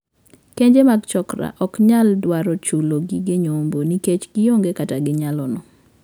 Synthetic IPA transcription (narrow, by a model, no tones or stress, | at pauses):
keɲd͡ʒemaɡt͡ʃɔkɾa̰ʔɔkɲaldwaɾɔt͡ʃuloɡiɡɪɲomboniket͡ʃɡɪjoŋɡekataɡɪɲalɔnɔ